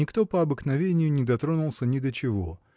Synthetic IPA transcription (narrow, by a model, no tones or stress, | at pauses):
ɪkt̪o̞pəɐbɨknɐvʲenʲɪjʊnʲɪd̪ɐt̪ɾo̞nʊlˠsʲənʲɪd̪ət͡ɕɪvo̞